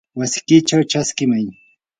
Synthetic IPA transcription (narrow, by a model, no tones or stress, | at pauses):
wasɪ̥kɪt͡ʃawt͡ʃaskɪmaj